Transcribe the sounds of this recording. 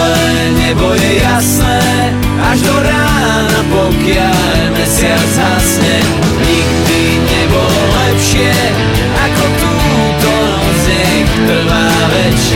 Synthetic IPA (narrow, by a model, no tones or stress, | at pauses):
ɛ | ɲɛbɔjɛjasnɛː | aʒd̪ɔɾaː | napɔkɪa | lmɛsɪalzasɲɛ | ɲiɡd̪i | ɲɛbɔ | lɛpʃɪɛ | akɔt̪u | t̪ɔnɔ | zɲɛ | t̪r̩ʋaː | ʋɛt͡ʃ